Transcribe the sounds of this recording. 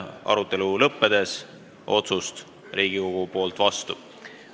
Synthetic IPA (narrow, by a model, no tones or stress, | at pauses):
ɑ̰ɾut̪ːˑe̞lulɤpːe̞d̪̥e̞s | ʔo̞t̪sust̪ | ɾiːɡ̥iko̞ɡ̥upo̞ːlt̪ːˑvɑst̪u